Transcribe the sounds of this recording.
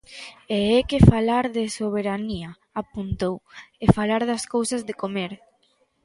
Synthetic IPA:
eɛkɪfalaɾðesoβ̞eɾania | apunt̪owefalaɾðɐskowsɐzðekomeɾ

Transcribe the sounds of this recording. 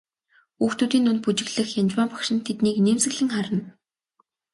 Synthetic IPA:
uːxt̪uːt̪iːnɵnput͡ɕɪ̆ɣɮɘ̆xjamt͡ɕwaːmpḁkʃɪ̆nt̪ʰet̪niːkneːmsɘ̆ɣɮɘ̆ŋχaɾə̆n

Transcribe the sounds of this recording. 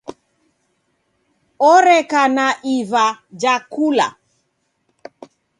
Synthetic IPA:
ɔɾɛkanaʔivad͡ʒakula̰

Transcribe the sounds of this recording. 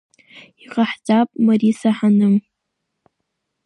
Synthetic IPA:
iqʼaħd͡zapʼmarisaħanɨm

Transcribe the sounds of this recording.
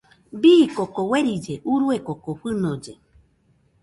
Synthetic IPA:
biːkokoweɾid͡ʒeʔuɾuekokoɸɨnõd͡ʒe

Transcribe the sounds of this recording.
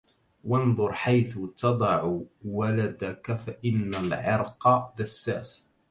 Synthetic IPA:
wɑnðˤʊɾˤħajθʊt̪ɑd̪ˤɑʕuwalad̪akafaʔɪnːalʕɪɾqɑd̪asːaːs

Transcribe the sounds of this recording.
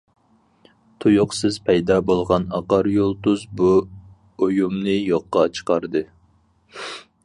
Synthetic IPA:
t̪ʰujʊqsɪz̥pʰɛjd̪ɑːbolˠʁɑnɑqɑɾjolˠt̪uzbu | ojumnɨjoqːɑt͡ʃʰə̥qɑɾd̪ɨ

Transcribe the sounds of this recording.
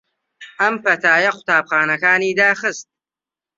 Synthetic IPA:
ʔɐmfɐt̪ʰaːjɐqʷʊ̥t̪aːb̚χaːnɐkaːniːd̪aːxɨst̪̚

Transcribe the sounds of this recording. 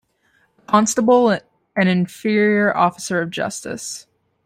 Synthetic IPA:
əkʰɑ̃nstəbl̩ˠ | ɨ̃nɨ̃ɱfɪɹiə˞ʔɔ̰fə̥sə˞ʌvd͡ʒʌ̰stɨ̰s

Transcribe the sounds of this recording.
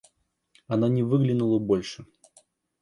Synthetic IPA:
ɐnanʲɪvɨɡlʲɪnulˠəbolʲʂɨ

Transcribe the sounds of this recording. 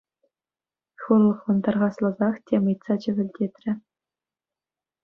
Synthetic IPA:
xulˠːɤ̆χʋɤ̆nt̪ɑrʁɑslˠɤ̆zɑχtʲʰemɯjt̪sɑt͡ɕɘ̆ʋʲɘ̆lʲdʲet̪ʲrʲɘ̆

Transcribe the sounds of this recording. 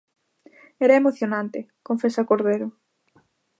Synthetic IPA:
ɛɾɐemoθjonãnt̪ɪ | koɱfesakoɾðeɾo

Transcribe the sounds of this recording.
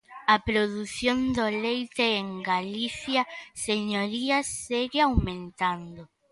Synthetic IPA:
ɐpɾoðuθjond̪olejt̪eeŋɡaliθjɐseɲoɾiɐseɣeawmẽnt̪and̪o

